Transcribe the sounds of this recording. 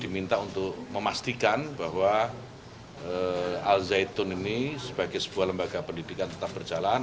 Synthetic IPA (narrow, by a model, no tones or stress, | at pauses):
d̥imint̪aunt̪ʊkməmast̪ikanbahwa | əalzajt̪ʊninisəb̥aɡajsə̥b̥uahləmbaɡapəndidikant̪ət̪ap̚bərd͡ʒalan